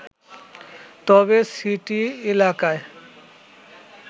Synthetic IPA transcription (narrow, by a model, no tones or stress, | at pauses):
t̪ɔbesiʈielakae